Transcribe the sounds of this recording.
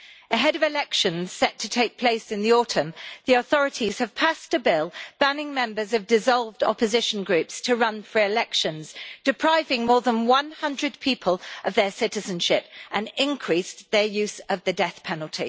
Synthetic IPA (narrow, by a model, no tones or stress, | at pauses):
əɦɛɾəvɪlɛkʃə̃nz̥sɛtʰətʰeɪk̚pʰl̥eɪsɨ̃nðiɔˑtʰə̃mðiəθɒɹɨtʰiz̥əv̥pʰastʰəbɪlˠb̥anɪ̃ŋmɛ̃mbə˞zəvdɪzɒlˠvdɒ̰pəzɪʃə̃nɡɹʉˑpstʰəɹʌ̃nfɹəɪlɛkʃə̃nz̥d̥ɪpʰɹ̥aɪvɪ̃ŋmɔːðə̃nwʌ̃nhʌ̃ndɹəd̚pʰiˑpʰəlˠəvðəsɪtɪzə̃nʃɪpʔə̃nɪ̃nkʰɹ̥isðə˞jʉˑz̥əvðɨdɛθpʰɛnəl̩ˠtʰḭ